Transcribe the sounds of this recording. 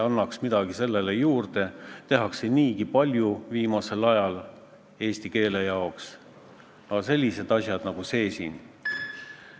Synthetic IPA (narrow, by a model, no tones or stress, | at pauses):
ɑnːɑksmid̪̥ɑɡ̥ise̞lːe̞lejuːrd̪̥e̞t̪e̞ɦɑkseniːɡipɑlʲjuviːmɑse̞lɑjɑl | e̞ːst̪ike̞ːle̞jɑoks | ɑse̞lʲːise̞d̪ɑsʲjɑd̪̥nɑɡ̥use̞ːsin